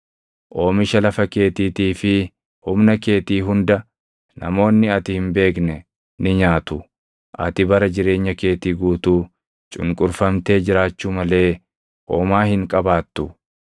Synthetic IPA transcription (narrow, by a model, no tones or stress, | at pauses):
ʔo̞ːmɪʃɐlɐfɐke̞ːt̪iːt̪iːfɪ | hʊmnɐke̞ːt̪iːɦʊnd̪ɐ | nɐ̰mo̞ːnːɪɐt̪ɪhɪmbe̞ːknɛ | nɪɲaːt̪ʊ | ʔɐ̰t̪ɪbɐɾɐd͡ʒɪɾe̞ːɲːɐke̞ːt̪iːɡuːt̪uː | t͡ʃʼʊ̰ŋkʼʊɾfɐmt̪e̞ːd͡ʒɪɾaːt͡ʃːuːmɐle̞ː | ʔoːmaːhɪŋkʼɐbaːt̪ːʊ